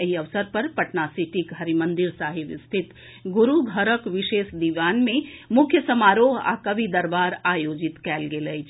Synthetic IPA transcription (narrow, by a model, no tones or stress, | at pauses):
eɦiəʋsəɾpəɾpɐʈnasiʈikɦəɾimənd̪iɾsaɦibst̪ʰit̪ | ɡuɾuɡʱəɾəkʋiʃesd̪iʋanmẽmukʰjəsəmaɾoɦa̰kəbid̪əɾbaːɾajod͡ʒit̪kɛːlɡeləjt͡ʃʰ